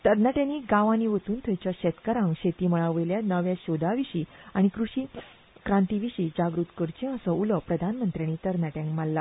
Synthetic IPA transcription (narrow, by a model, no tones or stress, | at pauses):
t̪əɾnaʈjãniːɡaʋãniʋət̪uːnt̪ʰəjt͡ɕjaɕɛt̪kaɾãŋkɕet̪iːməɭaʋəjljanəʋjaɕod̪ʱaʋiɕiːaɽ̃ikɾuɕiː | kɾãnt̪iʋiɕiːd͡ʑaɡɾut̪kəɾt͡ɕĩəsəuləpɾəd̪ʱanmənt̪ɾjañiːt̪əɾnaʈjãŋkmalːa